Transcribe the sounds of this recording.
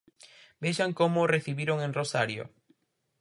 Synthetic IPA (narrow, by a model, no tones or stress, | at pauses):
beʃaŋkomʊreθiβiɾoŋẽŋrosaɾjo̰